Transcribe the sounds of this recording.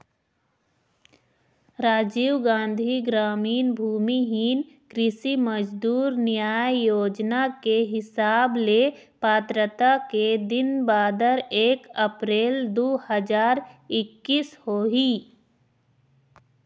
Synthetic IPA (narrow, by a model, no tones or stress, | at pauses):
ɾaːd͡ʒiːʋɡãːnd̪ʱiɡɾaːmiːnbʱuːmiɦiːn | kɾɪsiməd͡ʒd̪uːɾnɪjaːjjoːd͡ʒnakeɦɪsaːble | paːt̪ɾət̪aked̪ɪnbaːd̪əɾeːkəpɾeːld̪oːhəd͡ʒaːɾɪkːiːshoːɦi